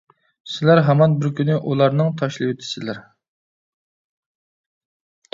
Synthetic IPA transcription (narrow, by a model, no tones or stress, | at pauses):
sɪlæɾɦɑmɑnbɪɾkʲynɪʔulˠɑɾnɨŋt̪ʰɑʃlˠɨwet̪ʰɪ̥sɪlæɾ